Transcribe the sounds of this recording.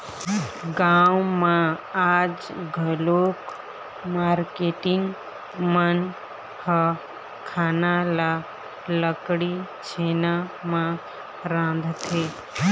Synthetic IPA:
ɡaːwmãaːd͡ʒɡʱəloːk | maːɾkeːʈɪŋɡ | mən | hə | kʰaːnala | ləkɽi | t͡ʃʰeːnamã | ɾãːnd̪ʱt̪ʰeː

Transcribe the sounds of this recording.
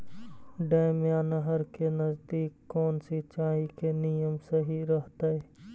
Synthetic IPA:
ɖaːɪmjaːnəɦəɾkenəzd̪iːkːoːnsit͡ʃaːɦikenijəmsɐɦiɾəɦt̪aeː

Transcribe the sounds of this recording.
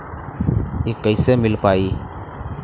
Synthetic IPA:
eːkəɪseːmɪlpaːiː

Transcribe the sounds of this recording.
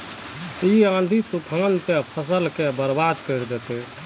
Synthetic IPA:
iãːnd̪ʱit̪ukʰãːnt̪epʰəs̬əlkebəɾbaːd̪kəɾd̪eːt̪e

